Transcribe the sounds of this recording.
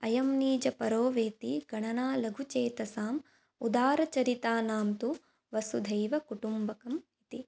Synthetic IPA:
ɐjɐmniːd͡ʒɐpɐɾoːʋeːt̪iɡɐɳɐnaːlɐɡʱut͡ʃeːt̪ɐsaːm | ud̪aːɾɐt͡ʃɐɾit̪aːnaːmt̪u | ʋɐsud̪ʱɐjʋɐkuʈumbɐkɐmit̪i

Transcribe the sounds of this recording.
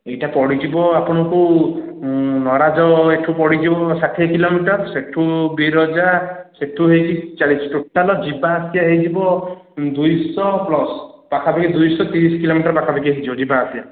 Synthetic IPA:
ejʈapɔɽid͡ʒibɔapɔɽ̃ɔku | nɔɾad͡ʒɔeʈʰupɔɽid͡ʒibɔsaʈʰekilomiʈɔɾseʈʰubiɾɔd͡ʒaseʈʰuɦejt͡ʃit͡ʃaɽisʈuʈːalɔd͡ʒibaːsijaɦejd͡ʒibɔ | d̪ujsɔplɔspakʰabakid̪ujsɔt̪iɾiskilomiʈɔɾpakʰabak̬iɦejd͡ʒibɔd͡ʒibaːsija

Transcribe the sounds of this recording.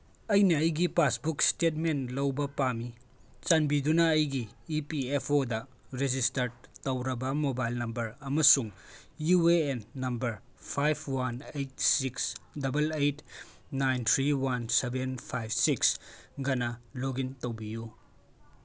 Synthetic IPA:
ɐjnɐːjɡipasbukstet̚menlɐwbɐpamit͡ʃanbidunɐːjɡiːpiepʰodɐ | ɾed͡ʒistɐɾtɐwɾɐbɐmobajlnɐmbɐɾɐmɐsuŋjueenːɐmbɐɾpʰajbʰwanejt̚siksdɐbɐlejtnajnt̪ʰɾiwansebenpʰajb̚siksɡɐnɐloɡintowbiju

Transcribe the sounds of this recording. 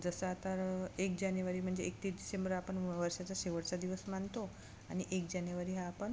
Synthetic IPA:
d͡zəsəat̪aɾek̚d͡ʑanjuʋaɾiːm̤əɳd͡zeːk̚t̪iːt͡sɖisembəɾapəɳʋəɾʂat͡saɕeʋəɽt͡sad̪iʋəsmant̪o | aɽ̃iʔekd͡ʑanjuʋaɾiːɦaːpəɳ

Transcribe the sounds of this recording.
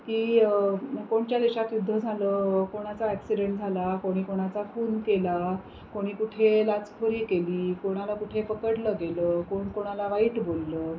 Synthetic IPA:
kiː | koɳt͡ɕjad̪eɕat̪jud̪ʱːəd͡zʱaləːkoɽ̃at͡saæksiɖeɳʈd͡zʱalakoɽ̃iːkoɽ̃at͡safuːnkela | koɽ̃iːkuʈʰelat͡skʰəɾiːkeliːkoɽ̃alakuʈʰepəkəʈləɡeləkoɳkoɽ̃alaʋaiːʈbolːəː

